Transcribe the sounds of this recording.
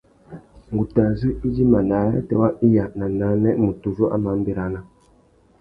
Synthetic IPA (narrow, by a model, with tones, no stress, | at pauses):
ŋ˨ɡu˨ta˨zɨ˦i˦d͡ʒi˦ma˨na˨˦ja̰˦tɛ̰˨˦wa˦i˦ja˨na˨na˦nɛ˦mu˨tu˨zo˦ʔa̰˦ma˨˦m˦be˦ɾa˨˦na˦